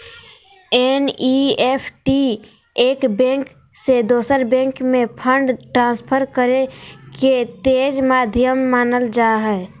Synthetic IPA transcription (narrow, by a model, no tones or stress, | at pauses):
ɛniepʰʈi | eːkbɛ̃ːŋk | sed̪oːsəɾbɛ̃ːŋkmẽpʰəɳɖʈɾãːspʰəɾkəɾeket̪eːd͡ʒmaːd̪ʱjəmːaːnəld͡ʒaːɦɛː